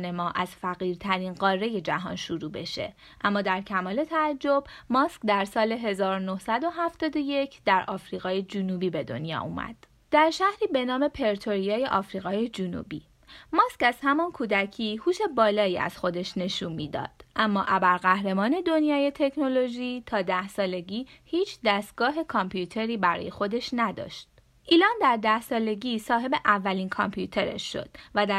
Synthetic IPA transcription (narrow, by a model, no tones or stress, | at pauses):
ne̞mɒːʔæz̥fæɣiːɾt̪ʰæɾinɢɒːrːe̞je̞d͡ʒæɦɒ̰nʃuɾuːbe̞̰ʃe̞̰ | ʔæmːɒːd̪æɾcʰæmɒːle̞t̪ʰæːd͡ʒːo̞bmɒskd̪æɾsɒːle̞ɦe̞zɒːɾonohsæd̪o̞ɦæft̪ɒːd̪o̞je̞cʰd̪̥æɾʔɒːfɾiːɣɒːjed͡ʒunuːbiːbe̞d̪o̞̰njɒ̰ːʔṵːmæ̰d̪̥ | d̪̥æɾʃæhɾiːbe̞nɒːme̞pʰe̞ɾt̪ʰo̞ɾijɒːje̞ʔɒfɾiːɣɒːjed͡ʒunṵbḭː | mɒːscæz̥hæmɒnkʰuːd̪æcʰiːhuːʃe̞bɒːlɒːiːæ̰z̥xo̞d̪e̞ʃne̞ʃuːnmiːd̪ɒ̰ːd̪̥ʔæmːɒːʔæbæɾɣæhɾe̞mɒːne̞d̪o̞njɒːje̞t̪ʰe̞kʰno̞lo̞ʒiːt̪ʰɒːd̪æhsɒːle̞ɟiːhiːt͡ʃʰd̪æst̪̚ɡ̥ɒːɦe̞kʰɒmpʰjuːt̪ʰe̞ɾiːbæɾɒ̰ːje̞xo̞d̪e̞ʃnæd̪ɒ̰ːʃt̪̚ | ʔiːlɒːnd̪æɾd̪æhsɒːle̞ɟiːsɒːɦe̞be̞ʔævːæliːnkʰɒmpʰjuːt̪ʰe̞ɾḛʃːo̞̰d̪̥væd̪æ